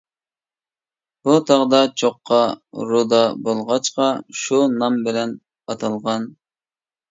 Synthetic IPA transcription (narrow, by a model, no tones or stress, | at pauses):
b̥ut̪ʰɑʁd̪ɑt͡ʃʰoqːɑɾud̪ɑbolˠʁɑt͡ʃqɑʃunɑmbɪlɛn | ɑt̪ʰɑlˠʁɑn